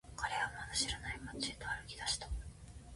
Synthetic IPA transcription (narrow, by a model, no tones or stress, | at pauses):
kʰaɾe̞βamat̪aɕiɾanaimat͡sɨet̪oaɾɯ̟kʲi̥d̪aɕi̥t̪ḁ